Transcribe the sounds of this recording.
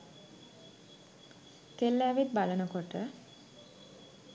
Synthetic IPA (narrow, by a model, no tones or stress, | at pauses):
kelːæːʋit̪̚balənəkoʈə